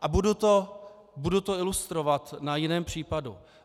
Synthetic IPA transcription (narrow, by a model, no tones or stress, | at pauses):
ʔabudut̪o | budut̪oɪlust̪ɾovat̪najɪnɛːmpr̝̥iːpadṵ